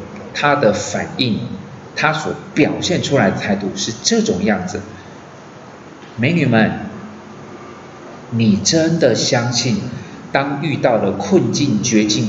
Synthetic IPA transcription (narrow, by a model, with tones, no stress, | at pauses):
t̪ʰa˥d̪ə˨fa˨˩ni˥˩ŋt̪ʰa˥swɔ˧˥pjɑ˨˩ʊɕjɛ˥˩nʈ͡ʂʰu˥la˧ɪd̪ə˧t̪ʰa˥˧ɪt̪u˥˧ʂɻ̩˥˧ʈ͡ʂɤ˥˩ʈ͡ʂʊ˨˩ŋjɑ˥˩ŋd͡zɹ̩˩ | me˧˥ɪny˨˩mə˦n | ni˨˩ʈ͡ʂə˦˥nd̪ə˨ɕjɑ˥ŋɕi˥˩nt̪ɑ˥ŋy˥˧t̪ɑ˥˩ʊlə˩kʰə˥˧nt͡ɕi˥˩nt͡ɕɥɛ˧˥t͡ɕi˥˩ŋ